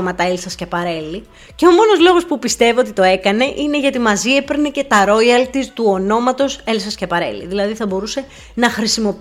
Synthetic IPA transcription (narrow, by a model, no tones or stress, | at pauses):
mɐt̪ɐelsɐscepɐɾe̞li | ceo̞mo̞no̞zlo̞ɣo̞spupist̪e̞vio̞t̪it̪o̞e̞kɐne̞ʔine̞ʝɐt̪imɐziepeɾnece̞t̪ɐɾo̞iɐlt̪ist̪uo̞no̞mɐt̪o̞selsɐscɐpɐɾe̞̰lḭðilɐðiθɐbo̞ɾuse̞ | nɐxɾisimo̞p